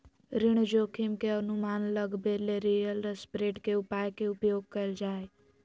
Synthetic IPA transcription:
ɾɪɽ̃d͡ʒoːkʰimkeənumaːnləɡbeleɾijəlɾespɾeːʈkeʊpaːekeʊpjoːɡ̚kəɪld͡ʒaːe

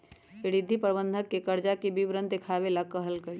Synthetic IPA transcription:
ɪɾɪd̪ʱːipɾəbənd̪ʱəkːekəɾd͡ʒakibibɾənd̪ekʰaːbelakəɦəlkəi

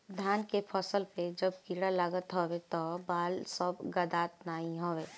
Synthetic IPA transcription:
d̪ʱjaːnkepʰɔsəlped͡ʒəb̚kiːɽalaːɡət̪ɦoːwet̪ɔbaːlsəbɡəd̪aːt̪̚naːĩɦoːʋeː

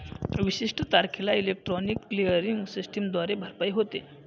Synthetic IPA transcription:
ʋiɕiʂʈət̪aɾkʰilailek̚ʈɾɔnikːlijəɾiŋɡsisʈəmd̪ʋaɾebʱəɾpajɦot̪e

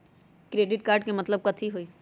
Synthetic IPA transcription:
kɾeːɖɪʈkaːɾɖkemɐt̪ləb̚kɐt̪ʰiɦoːiː

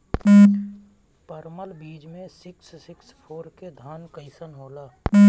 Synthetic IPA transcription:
pəɾməlbiːd͡ʒmẽsɪksːɪkspʰoːɾked̪ʱaːnkəɪsənɦoːlaː

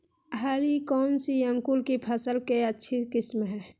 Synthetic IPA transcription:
ɦalikɔːnsiəŋkulkipʰəsəlkeətːʃʰikɪsmɦɛ̃ː

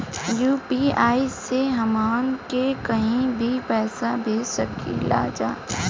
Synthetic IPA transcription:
juːpiaːiseɦɐmaːnkekɐɦĩbʱipɛːsabʱeːd͡ʒsɐkḭla̰ːd͡ʒa̰ː

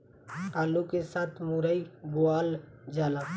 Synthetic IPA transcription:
kaːlukesaːt̪ʰmuɾaibʊaːld͡ʒaːla

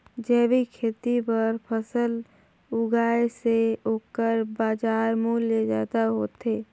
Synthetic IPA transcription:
d͡ʒɛːbikʰeːt̪ibəɾpʰəsəl | ʊɡaːeseoːkəɾbaːd͡ʒaːɾmuːlːed͡ʒa̰ːd̪aɦoːt̪eː

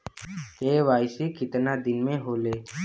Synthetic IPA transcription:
keːʋaːɪsekɪt̪nad̪ɪnmẽɦoːleː

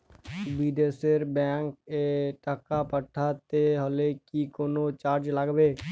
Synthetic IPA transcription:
biːɖeseɾbɛ̃ːkeʈəkapəʈʰat̪eɦolekikoːnot͡ʃaːɾd͡ʒləɡbeː

